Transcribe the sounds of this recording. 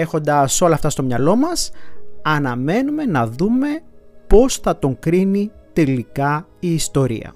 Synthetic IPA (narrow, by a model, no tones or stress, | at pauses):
e̞xo̞nd̪ɐso̞lɐːft̪ɐst̪o̞mɲɐlo̞mɐsɐnɐme̞nume̞nɐðume̞po̞sθɐt̪o̞ŋkɾinit̪e̞likɐiːst̪o̞ɾḭɐ̰